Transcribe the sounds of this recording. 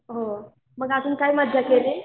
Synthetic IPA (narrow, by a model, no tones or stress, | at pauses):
ɦo | məɡat̪uːnkaiməd̪ʱjakele